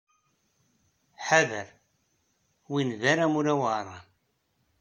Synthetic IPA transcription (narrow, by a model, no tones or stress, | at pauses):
ħaðəɾ | winðaɾamuɾæwərˤːɑ